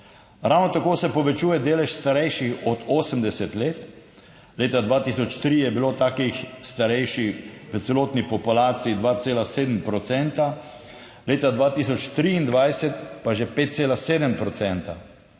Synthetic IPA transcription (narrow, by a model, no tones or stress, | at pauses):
ɾawnɔt̪akoːsɛpɔʋɛt͡ʃuːjɛd̪eːlɛʃst̪aɾɛjʃixɔd̪oːsəmd̪ɛsɛt̪leːt̪ | leːt̪ad̪ʋaːt̪iːsɔt͡ʃt̪ɾijɛbiloːt̪aːkixst̪aɾɛjʃixʋət̪sɛloːt̪nipɔpulaːt̪siid̪ʋaːt̪seːlaseːd̪m̩pɾɔt̪sɛnt̪a | leːt̪ad̪ʋaːt̪iːs̬ɔt͡ʃt̪ɾiːnd̪ʋajsɛt̪paʒɛpeːt̪̚seːlaseːd̪əmpɾɔt̪sɛnt̪a